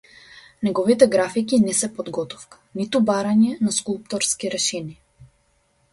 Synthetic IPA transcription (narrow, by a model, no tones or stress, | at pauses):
nɛɡɔvit̪ɛɡɾafikinɛsɛpɔd̪ɡɔt̪ɔ̥fkḁnit̪ubaɾaɲɛnaskulˠp̚t̪ɔɾskiɾɛʃɛnia